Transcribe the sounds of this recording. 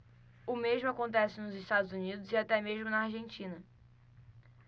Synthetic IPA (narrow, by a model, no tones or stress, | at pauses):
ʊmeʒmʊakõnt̪ɛsɪnʊzɪst̪ad̪ʊzunid̪ʊzɪat̪ɛmeʒmʊnɐaɾʒẽnt͡ʃĩnɐ